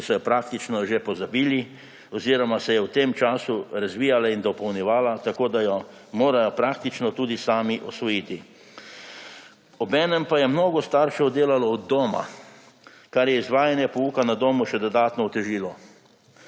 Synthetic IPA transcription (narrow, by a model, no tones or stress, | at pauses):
sɔjɔpɾaːk̚t̪it͡ʃnɔʒepɔzabiːli | ɔziːɾɔmasɛjɛwt̪emt͡ʃaːsuɾazʋiːjalaind̪ɔpɔwnjɛʋaːlat̪akoːd̪ajɔ | moːɾajɔpɾaːkt̪it͡ʃnɔt̪uːd̪isaːmiʔɔsʋɔjiːt̪i | ɔbɛːnɛmpajɛmnoːɡɔst̪aːɾʃɛɔd̪eːlalɔːd̪ːoːma̰ | kaɾjɛizʋaːjanjɛpɔuːkanad̪oːmuʃɛd̪ɔd̪aːt̪nɔwt̪ɛʒiːlɔ